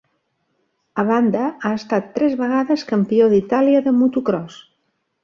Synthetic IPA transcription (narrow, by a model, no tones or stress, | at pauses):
əβand̪əaəst̪at̪ːɾɛzβəɣ̞aðəskəmpioðit̪aliəðəmut̪ukɾɔs